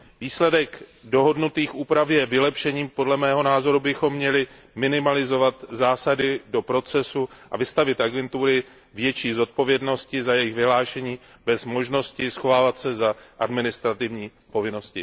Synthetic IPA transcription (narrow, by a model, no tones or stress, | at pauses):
viːslɛdɛkdoɦo̞dnut̪iːxʔuːpɾafjɛvɪlɛpʃɛɲiːmpo̞dlɛmɛːɦo̞naːzo̞ɾubɪxo̞mːɲɛlɪ | mɪnɪmalɪzo̞vat̪zaːsadɪdo̞pɾo̞t͡sɛsuʔa̰vɪst̪avɪt̪ʔaɡɛnt̪uɾɪ | vjɛt͡ʃiːzo̞t̪̚po̞vjɛdno̞scɪzajɛjɪɣvɪɦlaːʃɛɲiː | bɛzmo̞ʒno̞scɪsxo̞vaːvat̪sɛzaʔadmɪnɪst̪ɾat̪ɪvɲiː | po̞vɪno̞scɪ